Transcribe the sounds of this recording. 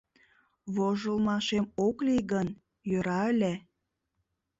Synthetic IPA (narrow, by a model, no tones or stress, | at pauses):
βoʒəlmɑʃemokliɣən | jøɾɑəlʲe